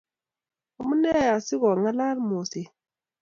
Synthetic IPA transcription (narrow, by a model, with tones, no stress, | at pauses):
o˦˨mu˦nɛ˦˨a˨si˦ɣɔ˨ŋa˦la˦ɾmo˨se˨